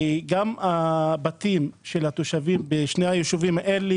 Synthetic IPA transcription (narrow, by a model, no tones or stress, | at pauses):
ɡamabat̪imʃelat̪oʃavimbeʃnejhajeʃuvimaʔele